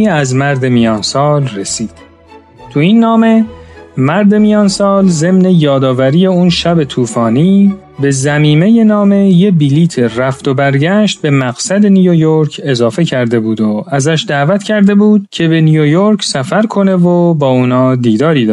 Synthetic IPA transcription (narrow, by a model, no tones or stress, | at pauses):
æzmæɾd̪e̞mijɒːnsɒːlresiːd̪̥ | t̪ʰuinːɒːme̞mæɾd̪e̞mijɒːnsɒːlze̞mne̞jɒːd̪ɒːvæɾiːje̞unʃæbe̞t̪ʰuːfɒːniː | be̞zæmiːme̞je̞nɒːme̞je̞biliːt̪ʰeræft̪o̞bæɾɟæʃt̪̚be̞mæɣ̥sæd̪e̞nujojoɾcʰe̞zɒːfe̞cʰæɾd̪e̞buːd̪oæzæʃd̪æːvæt̪ʰcʰæɾd̪e̞buːd̪̥̚cʰe̞be̞nijojo̞ɾcʰsæfæɾkʰo̞ne̞vobɒːuːnɒːd̪iːd̪ɒːɾiːd̪ɒ